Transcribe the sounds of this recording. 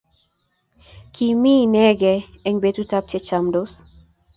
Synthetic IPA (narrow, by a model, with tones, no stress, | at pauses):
kʰi˨mi˦nɛ˦ɡɛ˨ | ɛ˦ŋbe˦tu˦ta˦p̚t͡ʃɛ˦t͡ʃa˨mdo˦s